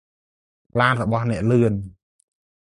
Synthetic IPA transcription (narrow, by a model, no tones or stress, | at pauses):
pʰlaːnrɔɓɑhnɛ̆əʔlɨən